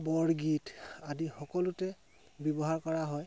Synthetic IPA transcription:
bɔɹɡitadixɔkɔlutɛ | bjɔbɔɦaɹkɔɹaɦɔj

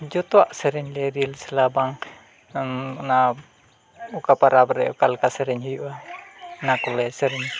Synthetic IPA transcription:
d͡ʒot̪waʔsɛɾiɲlɛɾilsəlabaŋ | nna | ukapaɾabəɾɛukalkasɛɾɛɲhijuʔanakulɛsɛɾɛɲ

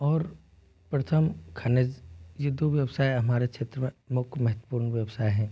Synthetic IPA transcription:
ɔːɾ | pɾɐt̪ʰəmkʰaːnezjed̪oʋjəʋsaːjɦɐmaːɾekʃʰeːt̪ɾəmẽmʊkmɐɦət̪wə̥puːɾnʋjəʋsaːeɦɛ̃ː

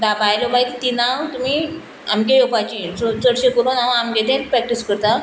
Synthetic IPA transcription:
d̪apajlomait̪t̪inaʋt̪um̤i | amkejopat͡ɕisot͡səɽɕekoɾonaʋamɡed̪ʱẽnpɾɛk̚ʈiskəɾt̪a

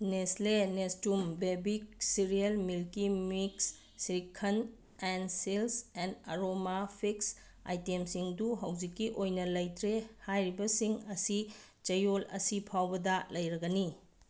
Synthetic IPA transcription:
neslenestumbebik̚siɾiɐlmilkimiksː | ɾikʰːɐn | ensilsenɐɾomapʰiks | a̰jtemsiŋduɦɐwd͡ʒikːiʔojnɐlɐjtɾehajɾibɐsiŋɐsi | t͡ʃɐjolɐ̰sipʰawbɐdɐlɐjɾɐɡɐni

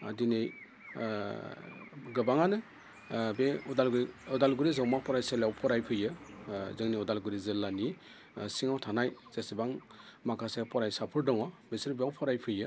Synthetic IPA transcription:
a̰dinej | ɡɯbaŋanɯ | beɔdalɡɾɔdalɡuɾizawmapɔɾajselawpʰɔɾajpʰɯjɯzɯŋniɔdalɡuɾizɯlːani | siŋawtʰanajz̥esibaŋmakʰasepɔɾajsapʰɯɾdɔŋabesiɾbeawpʰɔɾajpʰɯjɯ

